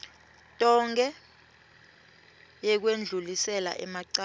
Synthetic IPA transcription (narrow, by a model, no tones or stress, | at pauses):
tʼɔŋɡɛ | jɛk̬wend͡ɮʱulisɛla̰ʔɛ̰maǀa